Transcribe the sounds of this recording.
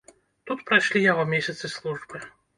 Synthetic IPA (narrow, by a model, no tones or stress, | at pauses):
t̪ut̪pɾajʃlʲijaɣɔmʲesʲɐt̪sɨslˠuʐbɨ